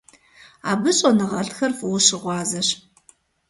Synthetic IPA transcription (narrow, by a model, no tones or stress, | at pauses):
aːbɨɕʼɐnɨʁɐɬtxɐrfwʊɕɪʁʷɑːzɐɕ